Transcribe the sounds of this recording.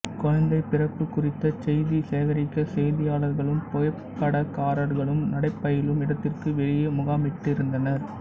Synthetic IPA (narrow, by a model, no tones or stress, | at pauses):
kɔɻɐnd̪ɐɪpːɪrɐpːɯkːʊrɪt̪ːɐt͡ʃɛjðiseːʋɐɾɪkːɐsɛjðɪjaːɭɐɾɣɐɭɯmpɔjɐpkːɐɽɐkaːɾɐɾɣɐɭɯmnɐɽɐɪpːɐjɪlɯmɪɽɐt̪ːɪrkɯʋɛɭɪjɐmʊɣaːmɪʈːɪɾɯnd̪ɐnɐɾ